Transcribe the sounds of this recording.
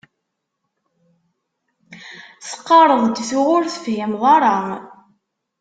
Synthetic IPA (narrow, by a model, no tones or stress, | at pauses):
sə̥qːɑɾˤəðˤd̪θuʁʊɾθəfjəmðˤɑɾˤɑ